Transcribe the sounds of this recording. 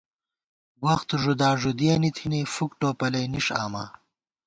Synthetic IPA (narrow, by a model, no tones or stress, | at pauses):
wɐxt̪uʐud̪aːʐud̪ijɐnit̪ʰinefukʈoːpɐlɐjniʂa̰ːma̰ː